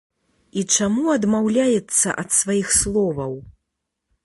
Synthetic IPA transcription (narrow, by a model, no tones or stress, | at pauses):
it͡ʂamuɐd̪mawlʲajɛt̪sːɐ̰ʔɐt̪svajixslˠɔvɐw